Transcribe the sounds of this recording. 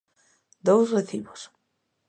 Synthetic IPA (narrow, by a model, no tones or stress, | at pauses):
d̪owsreθiβos